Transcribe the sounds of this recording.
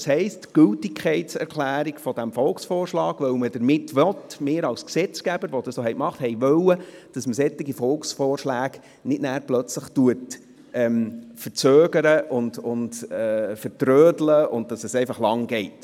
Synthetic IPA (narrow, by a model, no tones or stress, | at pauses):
shɛɪstɡ̥ɵltɪkʰχɛɪtsɛ̰ɾkʰχlæːɾikfɔd̥æmfɔlksfɔːrʃlɑːɡ̥ʋœwməd̥əɾmɪtʋɔtmɪːɾɑwsksɛt͡skæb̥əɾʋɔd̥ɑsoːɦɛɪkmɑχthɛɪʋœwəd̥ɑsməsɛt̪ːɪɡifɔlksfɔːrʃlæːɡ | nɪdnæːɾplœt͡sləχtuət | ʔɛmfəɾt͡søːɡəɾəʔʊndʊndɛːfəɾtɾøːdləʔʊnd̚d̥ɑsɛsɛɪfɑχlɑŋɡɛɪt